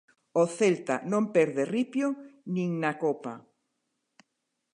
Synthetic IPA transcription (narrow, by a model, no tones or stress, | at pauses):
oθelt̪a̰nõmpɛɾðeripjonĩŋnakopa